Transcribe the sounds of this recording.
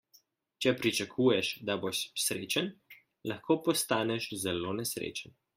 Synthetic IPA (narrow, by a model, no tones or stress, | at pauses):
t͡ʃɛpɾit͡ʃakʰuːjɛʃd̪aboʃsɾḛːt͡ʃən | lɐxkoːpɔst̪aːnɛʃzɛloːnɛsɾḛt͡ʃən